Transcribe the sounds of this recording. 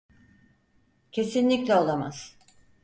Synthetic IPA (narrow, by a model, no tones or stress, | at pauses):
cʰe̞sinlʲiclʲɛo̞lˠama̰z̥